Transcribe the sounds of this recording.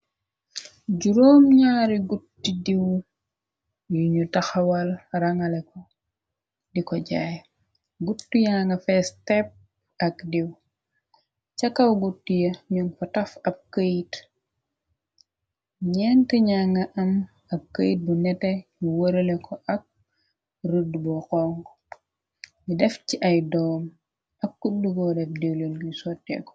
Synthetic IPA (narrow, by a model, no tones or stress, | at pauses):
ɟuɾoːmɲaːɾiɡutːidiw | juɲutɐxɐwɐlɾɐŋɐlɛkɔ | dikɔɟaːj | ɡutːujaːŋɡɐfɛstɛp̚ | ɐkdiw | t͡ʃɐkɐwɡutːijɐɲunfɐtɐfɐb̚kəjit | ɲɛntɛɲaːŋɡɐʔɐm | ɐb̚kəjt̚bunɛtɛuwoɾɛlɛkʰɔʔɐk̚ | rudːubɔkɔŋɡ | midɛfciʔɐjdɔːm | ɐk̚kudːuɡɔdɛfdiwlenɡusɔtːɛ̰kɔ̥